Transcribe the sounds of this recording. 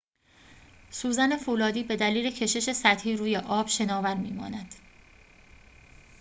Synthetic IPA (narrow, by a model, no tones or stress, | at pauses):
suːzæne̞fuːlɒːd̪iːbe̞d̪æliːle̞cʰe̞ʃe̞ʃe̞sæt̪hiːɾuːje̞ʔɒːb̥ʃe̞nɒːvæɾmiːmɒ̰ːnæd̪̥